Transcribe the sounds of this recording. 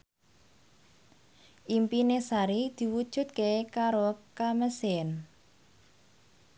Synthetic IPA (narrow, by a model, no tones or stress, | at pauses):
ʔimpinesaɾid̪̥i̤wud̥ʒ̥ṳt̪̚kekaɾokaməsɪn